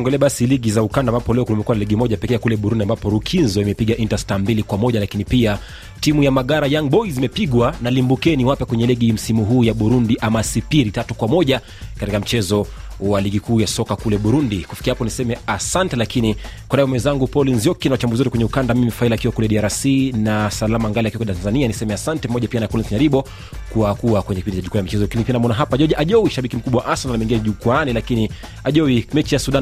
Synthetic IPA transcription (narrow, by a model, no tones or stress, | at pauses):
ɔŋɡɛlɛaɓasiliɠizaukandambapɔlɛɔklimɛkuwanaliɠimɔʄapɛkɛakulɛɓuɾundiambapɔɾukʰinzɔimɛpiɠaʔintastambilikwamɔʄalakinipia | timujamaɠaɾajaŋɓɔizimɛpiɠwanalimbukɛniwapɛkwɛɲɛliɠim̩simuɦuːjaɓuɾundiʔamasipiɾitatukwamɔʄa | katikam̩t͡ʃɛzɔwaliɡikuːjasɔkakulɛɓuɾundikufi̥kiahapɔnisɛmɛasantɛlakini | kwanaɛjɔmwɛnzaŋɡupɔlinzjɔkinawat͡ʃambuziwɛtukwɛɲɛukandammimifailaːkiwakulɛɗiaɾasinasalamaŋɡaliakiwɛkɛtanzanianisɛmɛasantɛpamɔʄapianapɔlinsɲaɾiɓɔ | kuwakuwakwɛɲɛkipindit͡ʃaʄukuanamit͡ʃɛzɔakinipianamɔnaɦapaʄɔʄaʔaʄɔwiʃaɓikim̩kuɓawaʔasananamɛiŋɡiɛnʄukwanilakini | aʄɔwimɛt͡ʃijasuɗan